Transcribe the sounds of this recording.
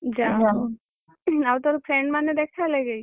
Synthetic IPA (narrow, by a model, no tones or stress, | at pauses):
d͡ʑad͡ʒa | awt̪oɾpʰɾeɳɖmaned̪ɛkʰaleɡej